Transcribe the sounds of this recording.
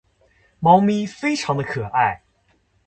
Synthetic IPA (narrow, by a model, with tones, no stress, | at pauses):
mɑ˧˥ʊmi˥fe˥ɪʈ͡ʂʰɑ˧˥ŋd̪ə˧kʰɤ˨˩ʔa˥˩ɪ